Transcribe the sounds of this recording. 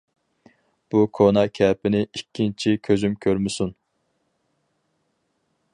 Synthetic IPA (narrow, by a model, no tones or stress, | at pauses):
b̥ukʰonɑkʲʰɛːpɪnɪikʲːint͡ʃʰikʲʰøzymkʲʰøɾmɪsun